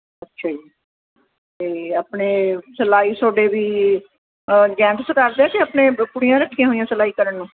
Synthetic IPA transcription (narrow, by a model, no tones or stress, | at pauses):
ətːʃʰaːd͡ʒiː | t̪eːaːpɳeːsəlaːiːsoːɖeːʋiː | d͡ʒɛ̃ːŋkskaɾd̪eɛ̃ːk̪eəːpɳeːpʊɽɪjãːɾəkʰːijãːɦoːijãːsəlaːiːkəɾəɳːũː